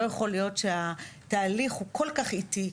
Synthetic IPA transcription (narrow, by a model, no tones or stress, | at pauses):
ojeχo̞lijo̞tʃehataːliχhukʰo̞lkaχiti